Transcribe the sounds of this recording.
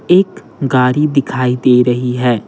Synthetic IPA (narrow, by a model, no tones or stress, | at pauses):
eːk | ɡaːɾid̪ɪkʰaːid̪eːɾɐɦiɦɛː